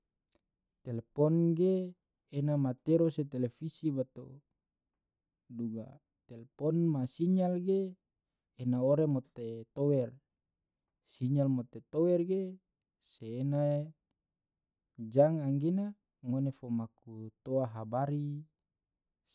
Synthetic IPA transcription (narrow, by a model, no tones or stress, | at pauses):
t̪elepɔnɡeː | namat̪eɾoset̪elefisibat̪o | duɡa̰ | t̪elepɔnmasiɲalɡeː | naoɾemot̪et̪owɛr | siɲalmot̪et̪owɛrɡe | seːna | d͡ʒaŋaŋɡena | ŋonefomakut̪oaɦabaɾi